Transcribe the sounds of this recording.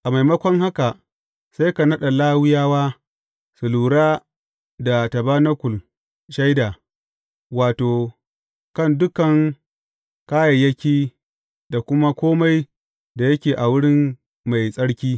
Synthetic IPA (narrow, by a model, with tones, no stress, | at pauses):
ʔa˨ma˨jmɐ˦kʷɔ˦ŋha˦ka˨ | sa˦jka˨nɐ˦ɗa˨laː˦wɪ˦jaː˦waː˦ | sʊ˨luː˨ɽaː˦ | da˨tɐ˨ba˦nɐ˦kʷʊ˨l | ʃa˦jdaː˨ | waː˨toː˨ | kɐ˦˨ndʊ˦kɐ˨ŋ | kaː˦jɐ˨jɐ˦kʲiː˦ | da˨kʷʊ˦ma˦kʷoː˦ma˦j | da˨jɐ˦kʲeː˨ʔa˨wʊ˦ɽɪ˦m | ma˨jsʼɐ˦ɽkʲiː˦